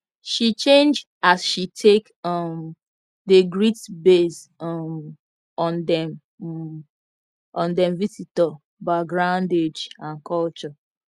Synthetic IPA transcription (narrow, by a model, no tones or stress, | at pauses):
ʃit͡ʃẽnd͡ʒ | asʃitʰek | ɔm | deɡɹitbes | ɔm | ɔndɛm | ɔ̃ndɛ̃mvisitɔ | baɪɡɹãʊnded͡ʒãnkʰɔlt͡ʃɔ